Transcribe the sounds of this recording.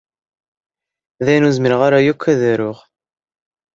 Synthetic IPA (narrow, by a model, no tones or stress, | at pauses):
ðæjnuzmiɾʁaɾæjukʷːæðæɾʊʁ